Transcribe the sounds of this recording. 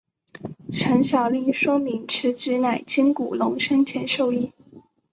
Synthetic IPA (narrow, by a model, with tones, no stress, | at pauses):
ʈ͡ʂʰə˧˥nɕjɑ˨˩ʊli˧˥ŋʂwɔ˥mi˧˥ŋʈ͡ʂ̩ʰ˧˥t͡ɕy˧˥na˨˩ɪt͡ɕi˥ŋku˨˩lʊ˧˥ŋʂə˥nt͡ɕʰjɛ˧˥nʂo˥˧ʊi˥˩